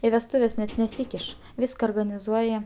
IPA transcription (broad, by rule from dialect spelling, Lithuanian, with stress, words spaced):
ɪ ʋʲɛsˈtuːʋʲɛs nʲɛt nʲɛˈsʲiːkʲɪʃ ˈʋʲiːskɐ oːrɡɐnʲɪˈzuɔjɛ